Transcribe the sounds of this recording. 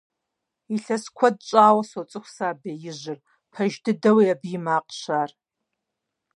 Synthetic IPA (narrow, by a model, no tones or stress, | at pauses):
iɬɐskʷʰɔd̚t͡ʃʼaːwɐsot͡sʼɨxʷsaːbeːjɪʑɪr | pʰɐʒdɨdɐwiabjɪmaːqʼɕaːr